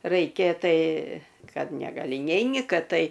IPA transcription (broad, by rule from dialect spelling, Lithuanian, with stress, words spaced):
rɐɪˈkʲeː ˈtɐɪ ˈkɐt nʲɛɡɐˈlʲɪ ˈnʲɛɪnʲɪ ˈkɐt ˈtɐɪ